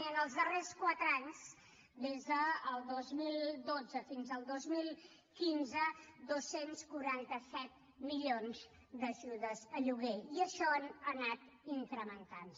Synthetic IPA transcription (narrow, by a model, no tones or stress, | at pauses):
ənəlˠzðəreskwat̪ɾəaɲs | d̪ezðəːlˠd̪ozmilˠd̪od͡zəfinzəlˠd̪ozmilˠ | kinzəd̪osenskuɾant̪əsɛt̪̚ | miʎionz | d̪əʒuðəzəʎuɣɛiəʃɔənənat̪ | iŋkɾəmənt̪ans